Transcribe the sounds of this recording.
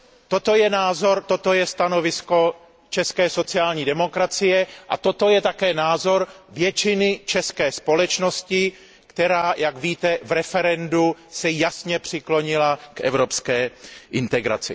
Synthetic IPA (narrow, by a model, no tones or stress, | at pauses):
t̪o̞t̪o̞jɛnaːzo̞ɾt̪o̞t̪o̞jɛst̪ano̞vɪsko̞ | t͡ʃɛskɛːso̞t͡sɪaːlɲiːdɛmo̞kɾat͡sɪjɛʔa̰t̪o̞t̪o̞jɛt̪akɛːnaːzo̞ɾvjɛt͡ʃɪnɪt͡ʃɛskɛːspo̞lɛt͡ʃno̞scɪ | kt̪ɛɾaːjakviːt̪ɛvɾɛfɛɾɛndusɛjasɲɛpr̥ɪklo̞ɲɪlakʔɛ̰vɾo̞pskɛːʔɪnt̪ɛɡɾa̰t͡sɪ